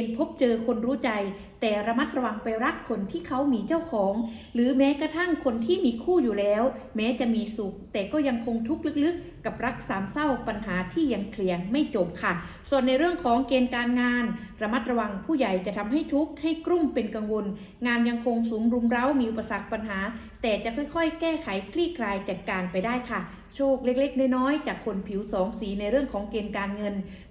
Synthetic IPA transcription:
npʰo˦˥p̚t͡ɕɤː˧kʰo˧nɾuː˦˥t͡ɕa˧j | t̪ɛː˨˩ɾa˧ma˦˥t̪̚ɾa˧wa˧ŋpa˧jɾa˦˥kʰːo˧nt̪ʰiː˥˩kʰa˦˥wmiː˧t͡ɕa˥˩wkʰɔː˩˦ŋ | ɾɯː˩˦mɛː˦˥kɾa˧t̪ʰa˥˩ŋkʰo˧nt̪ʰiː˥˩miː˧kʰuː˥˩juː˨˩lɛː˦˥w | mɛː˦˥t͡ɕa˨˩ʔmiː˧su˨˩k̚t̪ɛː˨˩kɔː˥˩ja˧ŋkʰo˧ŋt̪ʰu˦˥k̚lɯ˦˥k̚lɯ˦˥k̚ːa˨˩p̚ɾa˦˥k̚saː˩˦msa˥˩wpa˧nɦaː˩˦t̪ʰiː˥˩ja˧ŋkʰli˩˦əŋma˥˩jt͡ɕo˨˩p̚kʰa˥˩ | su˨˩ənːa˧jɾɯ˥˩əŋkʰɔː˩˦ŋkeː˧nkaː˧nŋaː˧nɾa˧ma˦˥t̪̚ɾa˧wa˧ŋpʰuː˥˩ja˨˩jt͡ɕa˨˩t̪ʰa˧mɦa˥˩jt̪ʰu˦˥k̚ha˥˩jkɾu˥˩mpe˧nka˧ŋwo˧n | ŋaː˧nja˧ŋkʰo˧ŋsuː˨˩˦mɾu˧mɾa˦˥wmiː˧ʔu˨˩pːa˧sa˨˩k̚pa˧nɦaː˩˦ | t̪ɛː˨˩t͡ɕa˨˩ʔkʰɔː˥˩jkʰɔ˥˩jkɛː˥˩kʰa˩˦jkʰɾiː˥˩kʰlaː˧jt͡ɕa˨˩t̪̚kaː˧npa˧jdaː˥˩jkʰa˥˩ | t͡ɕʰoː˥˩k̚le˥˩k̚le˥˩k̚daː˥˩jnɔː˦˥jt͡ɕaː˨˩kʰːo˧npʰi˩˦wsɔː˩˦ŋsiː˨˩˦na˧jɾɯ˥˩əŋkʰɔː˩˦ŋkeː˧nkaː˧nŋɤ˧n

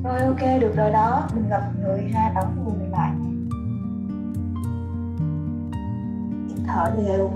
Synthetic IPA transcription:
t̪o˧˩jʔo˧ke˧ɗɨ˨˩ək̚zo˨˩jɗɔ˨˦mï˨˩ŋ̟ɣə˨˩p̚ŋɨ˨˩əjzaː˧ɗ̪ə˨˩˦wŋ͡mkʊ˨˩la̰ː˧˨j | i˨˩t̪ʰə̰ː˧˩ɗi˨˩əw

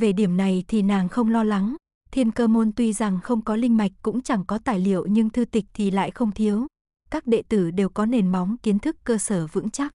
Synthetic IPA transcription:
ve˨˩ɗi˧˩əmna˨˩jt̪ʰi˨˩naː˨˩ŋxə˧wŋ͡mlɔ˧la˨˦ŋ | t̪ʰi˧ənkəː˧mo˧nt̪wi˧za˨˩ŋxə˧wŋ͡mkɔ˨˦lï˧ŋ̟ma˨˩jk̟̚kʊ̰˧˥ŋ͡mt͡ɕa˧˩ŋkɔ˨˦t̪aː˧˨˩jlḭ˧˨əwɲɨ˧ŋt̪ʰɨ˧t̪ï˨˩k̟̚t̪ʰi˨˩la̰ː˧˨jxə˧wŋ͡mt̪ʰi˨˦əw | kaː˦˥k̚ɗḛ˧˨t̪ɨ˧˩ɗe˨˩wkɔ˨˦ne˨˩nma˨˦wŋ͡mki˨˦ənt̪ʰɨ˦˥kːəː˧səː˧˩vɨ̰˧˥ŋt͡ɕa˦˥k̚

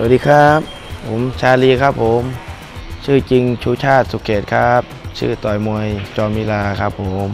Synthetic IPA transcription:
sa˩diː˧kʰa˦˥p̚ʰː | o˩˦mt͡ɕʰaː˧liː˧kʰa˦˥˩pʰːo˩˦m | t͡ɕʰɯː˥˩t͡ɕi˧ŋt͡ɕʰuː˧˥˩t͡ɕʰaː˥˩t̪̚su˨˩kʰeː˨˩t̪̚kʰa˦˥p̚t͡ɕʰɯ̰ː˥˩t̪ɔː˨˩jmu˧əjt͡ɕɔː˧nmiː˦˧˥laː˧kʰa˦˥pʰːo˩˦m

